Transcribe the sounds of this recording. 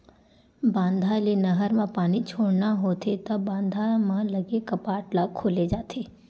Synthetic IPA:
bãːnd̪ʱalenɐɦəɾmãpaːnit͡ʃʰoːɽnaɦoːt̪ʰet̪ɐbãːnd̪ʱamãlɐɡekɐpaːʈlakʰoːled͡ʒaːt̪ʰeː

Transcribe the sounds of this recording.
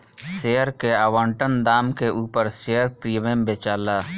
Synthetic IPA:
seːəɾkeaːʋãːɳʈənd̪aːmkeʔuːpəɾseːəɾpɾiːʋembeːt͡ʃaːlaː

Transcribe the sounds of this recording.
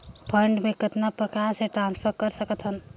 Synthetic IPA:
pʰəɳɖmẽkɪt̪napɾəkaːɾseʈɾãːnspʰəɾkəɾsəkət̪ɦən

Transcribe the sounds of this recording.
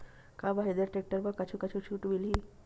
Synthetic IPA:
kabaɦed̪eɾʈek̚ʈəɾbakat͡ʃʰukat͡ʃʰut͡ʃʰuːʈbili

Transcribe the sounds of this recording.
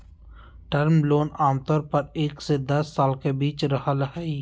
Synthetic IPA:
ʈəɾmloːnaːmt̪ɔːɾpəɾeːksed̪ɐsːaːlkebiːt͡ʃɾəɦəlɦɛi

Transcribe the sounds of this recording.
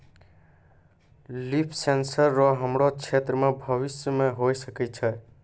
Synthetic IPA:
lipʰsensəɾːɔɦəmɾot͡ʃʰet̪ɾəmebʱəβisjəmeɦojsəkɛt͡ʃʰɛ

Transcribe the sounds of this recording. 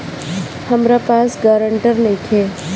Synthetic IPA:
həmɾapaːsɡaːɾəɳʈəɾnɐɦĩkʰeː

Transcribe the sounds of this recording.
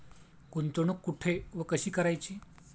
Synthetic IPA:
kunt̪oɳ̃ukːuʈʰeʋəkəɕiːkəɾajt͡ɕiː

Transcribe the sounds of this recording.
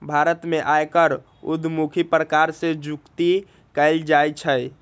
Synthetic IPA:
bʱaɾət̪meʔajkəɾ | ṵd̪ʱmukʰipɾəkaɾsed͡ʒukt̪i | kəɪld͡ʒajt͡ʃʰəj

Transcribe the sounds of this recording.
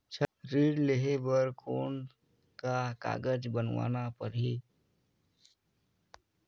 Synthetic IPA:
t͡ʃʰɾiɖleɦebəɾkʰoːn | kaka̰ːɡəd͡ʒbənʋa̰napəɾɦi

